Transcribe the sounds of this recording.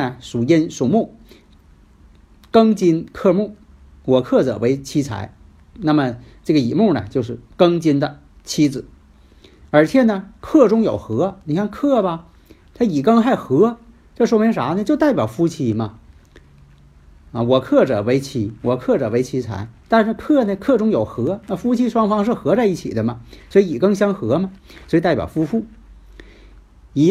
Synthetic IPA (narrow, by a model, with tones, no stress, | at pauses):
ə˨ʂu˨˩ɛ˥nʂu˨˩mu˥˩ | kɤ˥ŋt͡ɕi˥nkʰɤ˥˧mu˥˩ | wɔ˨˩kʰɤ˥˩ʈ͡ʂɤ̰˨˩we˧˥ɪt͡ɕʰi˥t͡sʰa̰˧˥ɪ | na˥˩mə˩ʈ͡ʂɤ˥˩ɡə˩i˨˩mu˥˩nə̰˩t͡ɕjo˥˧ʊʂɻ̩˥˩kɤ˥ŋt͡ɕi˥nd̪ə˨ | t͡ɕʰi˥d͡zɹ̩˨˩˦ | ə˞˧˥t͡ɕʰjɛ˥˩nə˩kʰɤ˥˩ʈ͡ʂʊ˥ŋjo˨˩ʊxɤ˧˥ni˨˩kʰja˥˧ŋkʰɤ˥˩bɐ˨˩ | t̪ʰa˥i˨˩kɤ˥ŋxa˥˩ɪxɤ˧˥ | ʈ͡ʂʂ̬wo˥mʲɛ˧˥nʂa˧˥nə˧t͡ɕjo˥˧ʊt̪a˥˩ɪpʲjɑ˨˩ʊfu˥t͡ɕʰi˧˥mɐ˧ | ə˧˩wɔ˨˩kʰɤ˥˩ʈ͡ʂɤ˨˩we˧˥ɪt͡ɕʰi˧˥wɔ˨˩kʰɤ˥˩ʈ͡ʂɤ˨˩we˧˥ɪt͡ɕʰi˧˥t͡sʰa̰˧˥ɪt̪a˥˧nʂ̩˥˧˩kʰɤ˥˩nə˨˩kʰɤ˥˩ʈ͡ʂʊ˥ŋjo˨˩ʊxɤ˧˥na˥˩fu˥t͡ɕʰi˥ʂwɑ˥ŋfɑ˥ŋʂ̬ɻ̩˥˩xɤ˧˥t͡sa˥˧ɪi˥˩t͡ɕʰḭ˨˩d̪ə˦mɐ˩swɔ˧˥i˧˥i˨˩kɤ˥ŋɕ̬jɑ˥ŋxɤ˧˥mɐ˧swɔ˧˥i˧t̪a˥˩ɪpʲjɑ˨˩ʊfu˥fu˥˩ | i˧˥